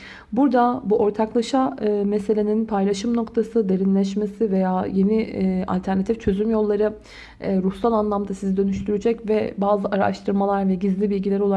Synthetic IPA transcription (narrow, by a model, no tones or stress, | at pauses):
buɾd̪abuʔo̞ɾt̪ʰaklˠaʃamese̞lʲe̞ninpʰajlʲˠaʃɯmno̞kt̪ʰasɯd̪e̞ɾinlʲɛʃ̬mesive̞jaːje̞nia̰lʲt̪ʰæɾnat̪ʰift͡ʃʰø̞zymjo̞lˠːaɾɯ | ɾusalˠanlˠamd̪asizid̪ø̞nyʃt̪ʰyɾyd͡ʒɛcvɛbaːzɯʔaɾa̰ʃt̪ʰɯɾmalˠaɾvɛɟizlʲibilʲɟilʲeɛɾo̞lˠa